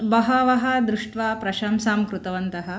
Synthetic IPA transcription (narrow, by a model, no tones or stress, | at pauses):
bɐɦɐʋɐɦɐ̆d̪ɾuʂʈʋaːpɾɐʃaːmsaːmkɾut̪ɐʋɐnt̪ɐɦɐ̆